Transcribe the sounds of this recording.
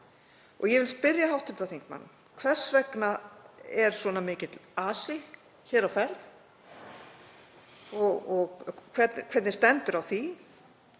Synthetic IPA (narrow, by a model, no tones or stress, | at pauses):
ɔɣjɛvɪlspɪɾjaɦawht̪ʏmt̪aθiŋkma̰nː | kʰvɛr̥svɛknaɛɾ̥svɔnamɪːcɪt̪laːsɪ | çɛːɾawfɛɾθ | ɔɣɔɣkʰvɛt̪nkʰvɛɾt̪nɪ̥st̪ɛnt̪ʏɾawθi